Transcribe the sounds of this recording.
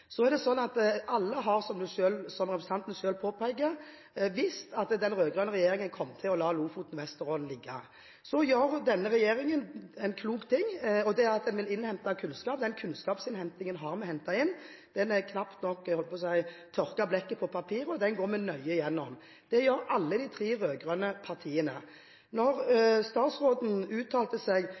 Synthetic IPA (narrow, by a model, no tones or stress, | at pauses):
sɔæʁd̪ɛsɔnːɑt̪ʔɑlːəɦɑʁsɔmd̪ʉʃøːlsɔmɾɛpɾs̩ʰɑnt̪nəʃøːlpʰoːpʰæɪɡəɾ | ʋɪst̪ɑt̪d̪ɛnɾøːɡʁœnəʁɛjeːɾɪŋənkʰɔmːt̪ʰɪlɔlɑːluːfuːt̪n̩ʋɛst̪əɾoːd̪n̩lɪɡːɑ̰ | sɔjøːɾd̪ɛnːəɾɛjeːɾɪŋənɛnkʰluːkt̪ʰɪŋːɔd̪ɛɑt̪̚d̪ɛnʋɪlɪnhɛnt̪ɑkʰʉnskɑːp̚d̪ɛnkʰʉnskɑːpsɪnhɛnt̪ɪŋənɦɑʁmɛhɛnt̪ɑɪnː | d̪̥ɛnæʁkʰnɑpt̪nɔkːhɔləpʰɔsæɪt̪ʰɔʁkɑblɛkːəpʰɔpʰɑpʰiːɾəɔd̪ɛnɡoːɾmɛnœʏəjɛnːɔm | d̪̥ɛjøːɾɑlːəd̪ɪt̪ʰɾiːɾøːɡɾœnəpʰɑʁt̪ʰiːənə | nɔʁst̪ɑːt̪sʁoːd̪n̩ʉːt̪ʰɑːlt̪əsɛɡ